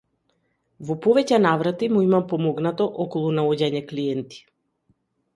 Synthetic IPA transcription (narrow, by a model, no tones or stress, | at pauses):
vɔpɔvɛcɛnavɾat̪imuimampɔmɔɡnat̪ɔʔɔkɔlˠunaɔɟaɲɛkliɛnt̪i̥